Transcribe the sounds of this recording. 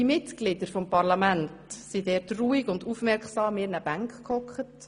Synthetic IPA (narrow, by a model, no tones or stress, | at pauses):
imɪtɡ̥lɪdəɾfɔmpɑɾlɑmæntsidɛɾtruːiɡʊndufmɛɾkχsɑːmːɪːɾnəb̥æŋkχkʰɔkχət